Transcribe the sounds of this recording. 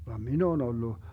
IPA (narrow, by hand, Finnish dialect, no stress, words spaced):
ʋɑm min oːn olːu